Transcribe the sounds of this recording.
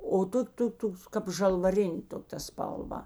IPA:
oː ˈtoːkʲ ˈtoːk ˈtoːks kɐp ʒɐlˠʋɐˈrʲɪnʲeː ˈtoː tɐ spɐlˠˈʋɐ

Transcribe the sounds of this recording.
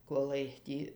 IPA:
koːˈlˠɐɪ ˈtʲiː

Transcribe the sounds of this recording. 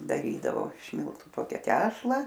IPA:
dɐˈrʲiːdɐʋoː ɪʃ ˈmʲɪlˠtʊ ˈtoːkʲɛ ˈtʲæːʃlˠɐ

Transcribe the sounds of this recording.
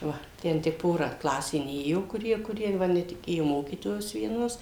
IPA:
ˈʋɐ ˈtʲɛn tʲɪk ˈpoːrɐ ˈklˠɑːsʲeː ˈnʲeːjoː kʊˈrʲiɛ kʊˈrʲiɛ ʋɐ nʲɛtʲɪˈkʲeːjoː ˈmoːkʲiːtoːjoːs ʋʲiɛˈnoːs

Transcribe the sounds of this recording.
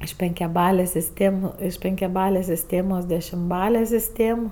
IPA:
ɪʃ pʲɛŋʲkʲɛˈbɑːlʲeːsʲ sʲɪsʲˈtʲeːm ɪʃ pʲɛŋʲkʲɛˈbɑːlʲeːsʲ sʲɪsʲˈtʲeːmoːs dʲɛʃʲɪmˈbɑːlʲɛ sʲɪsʲˈtʲeːm

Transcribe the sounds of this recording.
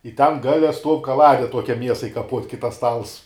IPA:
ɪ tʲɛn ˈɡɑːlʲɛ stuɔw kɐˈlˠɑːdʲɛ ˈtuɔkʲɛ ˈmʲiɛsɐɪ kɐˈpuɔtʲ kɐɪ tɐs ˈstɐlˠs

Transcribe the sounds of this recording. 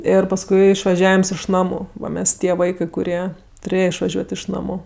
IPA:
ˈɪr pɐsˈkʊɪ ɪʃʋɐˈʒʲæːʋʲɪms ɪʃ ˈnɑːmʊ ˈʋɐ ˈmʲɛs ˈtʲiɛ ˈʋɐɪkɜ kʊˈrʲiɛ tʊˈrʲeːjɛ ɪʃʋɐˈʒʲuɔtʲ ɪʃ ˈnɑːmʊ

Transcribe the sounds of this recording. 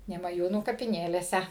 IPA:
nʲɛmɐˈjuːnuː kɐpʲɪˈnʲeːlʲeːsʲɛ

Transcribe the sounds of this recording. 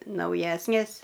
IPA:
nɐʊˈjæːsʲnʲeːs

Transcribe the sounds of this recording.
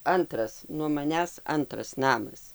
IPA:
ˈɐntrɐs nuɔ mɐˈnʲæːs ˈɐntrɐs ˈnɑːmɐs

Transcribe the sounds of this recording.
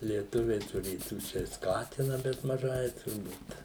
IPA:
lʲiɛˈtʊʋʲɛɪ tʊˈrʲeːtuː ˈt͡ʃʲɛ ɪ ˈskɑːtʲɪnɐ bʲɛt mɐˈʒɐɪ tʊrˈbuːt

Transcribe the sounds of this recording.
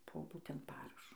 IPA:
poː ˈbuːtʲɛnt ˈpɑːrɐʃoː

